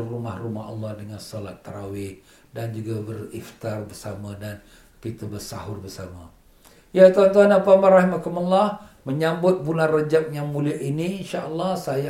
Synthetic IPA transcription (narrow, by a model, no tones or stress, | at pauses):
rumahrumaha̰lːɑhdəŋansɔlat̪ːəɾawɪh | dand͡ʒuɡabərift̪arbərsamadan | kit̪abərsa̰ɦʊrbərsama | jat̪uant̪uanapamaɾahimakuməlːɑh | məɲambʊt̪̚bulanrəd͡ʒak̚jaŋmuliaʔiniinʃaʔəlːɑhsaja